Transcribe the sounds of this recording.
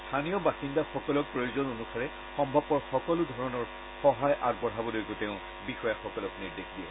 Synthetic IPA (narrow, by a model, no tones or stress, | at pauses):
stʰanijɔbasindaxɔkɔlɔk̚pɹojuzɔnonusaɹɛ | xɔmbʱɔbɔɹxɔkɔlʊdʱɔɹɔnɔɹ | xɔɦajʔaɡ̚bɔɹɦabɔlojɡotɛʊ̃ | bixɔjaxɔkɔlɔkniɹdexdiɛ̰